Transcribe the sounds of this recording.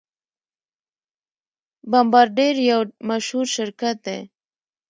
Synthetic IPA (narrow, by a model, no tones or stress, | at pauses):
bambɑɾɖeɾjawmaʃhuɾʃɪɾkat̪̚d̪ḛ